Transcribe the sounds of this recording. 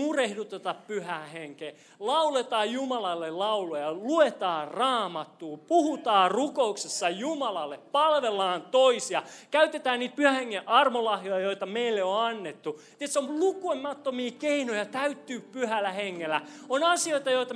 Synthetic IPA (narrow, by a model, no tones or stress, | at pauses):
urehdut̪et̪ɑppyhæheŋkeː | lɑulet̪ɑːjjumɑlɑlːellɑulojɑluet̪ɑːrɑːmɑt̪ːuːpuhut̪ɑːrukouksesːɑjumɑlɑlːeppɑlʋelːɑːnt̪oisiɑkæyt̪et̪æːnniːt̪̚pyhæheŋːeʔɑrmolɑhjojɑjoit̪ɑmeilːeoɑnːet̪ːut̪iet̪seomlukoimɑt̪ːomiːkeinojɑt̪æyt̪ːyːpyhælːæheŋːelːˑæonɑsioit̪ɑjoit̪ɑ